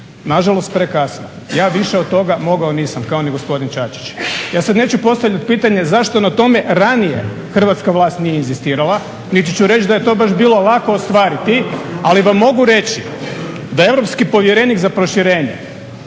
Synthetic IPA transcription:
naʒalˠo̞st̪̚pɾekasna | jaːʋiʃeod̪̚t̪ːo̞ɡamo̞ɡaoniːsamkaoniɡospo̞d̪int͡ʃat͡ʃi̥t͡ɕjaːsad̪ne̞ːt͡ɕupo̞st̪aʋʎʲat̪piːt̪aɲazaʃt̪o̞nat̪o̞me̞ɾanijḛ | xr̩ʋat̪skaʋlˠaːst̪nijeinzist̪iːɾalˠa | nit̪it͡ɕuɾe̞t͡ɕd̪aje̞t̪o̞baʃbiːlo̞lˠako̞ːst̪ʋaːɾit̪ialiʋamːo̞ɡuɾe̞t͡ɕi | d̪ae̞ʋɾopskipo̞ʋjeɾe̞nikzapɾo̞ʃiɾe̞ːɲḛ

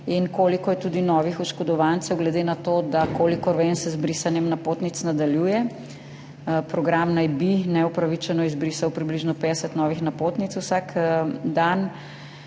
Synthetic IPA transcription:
inkoːlikɔjɛt̪uːd̪inɔːʋixɔʃkɔd̪ɔʋant̪sɛwɡlɛd̪enat̪od̪akoːlikɔɾʋɛnsɛzbɾisanjɛmnapoːt̪nit̪snad̪aljuːjɛ | pɾɔɡɾamnajbinɛupɾaʋit͡ʃɛnɔizbɾisawpɾibliʒnɔpeːd̪ɛsɛt̪nɔːʋixnapot̪nit̪swsakd̪an

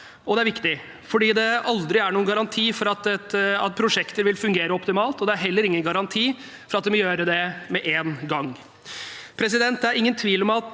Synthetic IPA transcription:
ɔd̪ɛæɾʋɪkt̪ɪ | fɔɖiːd̪ɛɑld̪ɾɪæɳuːənɡɑɾɑnt̪ʰiːfɔɾɑt̪ɛt̪ɑt̪̚pʰɾʊʂɛkt̪əɾʋɪlfʉŋɡeːɾəɔpt̪ɪmɑːlt̪ɔd̪ɛæɾɦɛlːəɾɪŋːənɡɑɾɑnt̪ʰiː | fɔɾɑt̪̚d̪ɛmɔjøːɾəd̪ɛmɛʔeːnɡɑŋ | pʰɾɛs̬ɪd̪ɛnt̪̚d̪æɾɪŋːənt̪ʰʋiːlɔmɑt̪

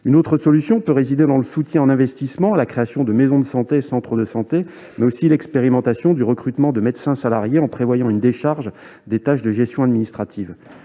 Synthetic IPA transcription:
ynot̪χəsɔlysjɔ̃pøʁezid̪ed̪ɑ̃ləsut̪jɛ̃ɑ̃nɛ̃vɛst̪ismɑ̃alakχeasjɔ̃d̪əmezɔ̃d̪əsɑ̃t̪esɑ̃t̪χəd̪əsɑ̃t̪e | mɛosilɛkspeʁimɑ̃t̪asjɔ̃d̪yʁəkχyt̪mɑ̃d̪əmɛd̪sɛ̃salaʁjeɑ̃pχevwajɑ̃ynd̪eʃaʁʒ | d̪et̪aʃd̪əʒɛst̪jɔ̃ad̪minist̪χat̪iv

